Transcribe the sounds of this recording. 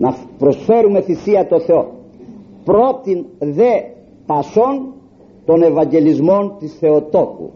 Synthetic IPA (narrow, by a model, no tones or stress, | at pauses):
nɐpɾo̞sfe̞ɾume̞θisiɐt̪o̞θe̞o̞̰ | pɾo̞t̪inðe̞ | pɐso̞n | t̪o̞ne̞vɐɲɟe̞lizmo̞nt̪isθe̞ot̪o̞kṵ